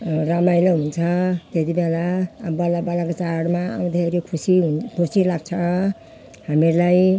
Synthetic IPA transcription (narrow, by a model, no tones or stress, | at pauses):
ɾamajlaɦunt͡sʰʌt̪et̪ibelabʌlabalakot͡saɽma̰md̪ʱeɾekʰusiunkʰusilaɡ̚t͡sʰʌ | hamiɾlaj